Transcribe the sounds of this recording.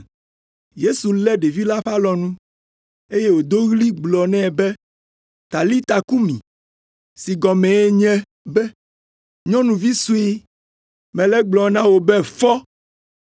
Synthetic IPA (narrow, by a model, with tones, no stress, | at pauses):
je˦su˨lɛ˦ɖe˨vi˦la˦ɸa˦lɔ˨nũ˦ | e˦je˦wo˨d̪o˦ɣli˦ɡ͡blɔ˨nɛ̃˦˨bɛ˦ | t̪a˨li˦t̪a˨ku˦mĩ˨ | si˨ɡɔ˨mɛ̃˨e˦ɲɛ̃˦ | bɛ˦ | ɲɔ̃˦nũ˨vi˦su˦e˦ | mɛ̃˨lɛ˦ɡ͡blɔ˨nã˦wo˨bɛ˦fɔ˦